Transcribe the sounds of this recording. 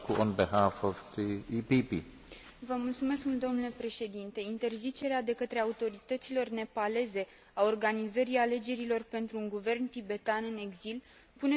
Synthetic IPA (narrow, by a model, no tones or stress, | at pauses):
kuʔonbeɦafovt̪iipipi | vəmult̪sume̞skmuld̪o̞mnule̞pɾe̞ʃe̞d̪int̪e̞int̪e̞rzit͡ʃe̞ɾead̪e̞kət̪ɾe̞aut̪o̞ɾit̪ət̪silo̞rne̞pale̞ze̞ | ao̞rɡanizəɾiale̞d͡ʒe̞ɾilo̞rpe̞nt̪ɾuːŋɡuve̞rnt̪ibe̞t̪anɨne̞ɡzil | pune̞